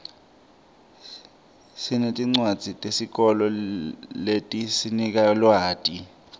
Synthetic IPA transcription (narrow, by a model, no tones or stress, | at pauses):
sinetʼiŋ͡ǀwad̥z̥ʱitʼesik̬ɔlɔletʼisinik̬alwaːtʼi